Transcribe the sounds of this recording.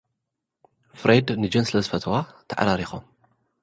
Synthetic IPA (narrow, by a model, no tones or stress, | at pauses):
fɾʔejd̪nɨd͡ʒɐnslɐzɨfɐt̪ʰwat̪ʰɐʕa̰ɾaɾixom